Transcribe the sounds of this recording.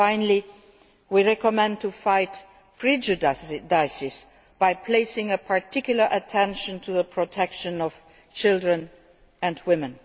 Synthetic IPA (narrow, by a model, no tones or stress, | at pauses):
ãɪ̃nəl̩ˠi | wiɹɛkəmɛ̃n̚tʰufaɪt | pʰɹ̥id͡ʒɨddaɪsɪs | b̥aɪpʰl̥eɪsɪ̃ŋəpʰaɹtʰɪkjl̩ˠə˞ʔətʰɛ̃nʃɨ̃ntʰuðəpʰɹ̥ɔtʰɛkʃɨ̃nɔv̥ | t͡ʃʰɪlˠdɹə̃n | ɨ̃ndwɪmɨ̃n